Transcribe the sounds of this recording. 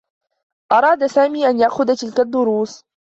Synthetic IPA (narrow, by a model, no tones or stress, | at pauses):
ʔɑɾˤɑːd̪asaːmiːʔanjaʔxʊðat̪ɪlkad̪ːʊɾuːs